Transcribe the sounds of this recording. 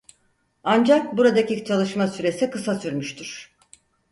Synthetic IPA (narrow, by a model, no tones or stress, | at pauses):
and͡ʒak̚buɾad̪acit͡ʃʰalˠɯʃmasyɾe̞sikɯsasyɾmyʃt̪ʰyɾ̥